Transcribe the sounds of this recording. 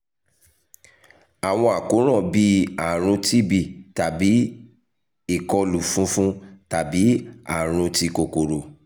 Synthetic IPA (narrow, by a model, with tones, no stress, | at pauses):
a˨w̃ɔ̃˧a˨ko˨˦ɾ̃ɔ̃˦˨bi˧˦a˨ɾ̃ũ˧ti˦bi˦˨ta˨bi˨˦ | i˨kɔ˧lu˨fũ˨˦fũ˦ta˨bi˨˦a̰˦˨ɾ̃ũ˧ti˧ko˨ko˨ɾo˨